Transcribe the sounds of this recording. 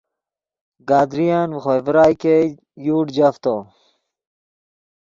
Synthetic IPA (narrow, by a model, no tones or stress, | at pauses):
ɡaːd̪ɾijaːnxojvɾaːjke | juːɖd͡ʑaft̪o